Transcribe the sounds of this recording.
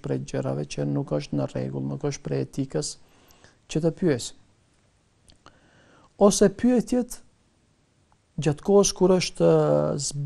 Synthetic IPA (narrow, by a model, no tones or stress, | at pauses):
pɾɛd͡ʑəɾa̰vɛt͡ɕənukəʃt̪nərɛ̰ɡṵlˠnukəʃt̪̚pɾɛɛt̪ikəs | t͡ɕət̪əpyɛs | ɔsɛpyɛt̪jɛt̪ | d͡ʑat̪kɔəskuɾəʃt̪əzb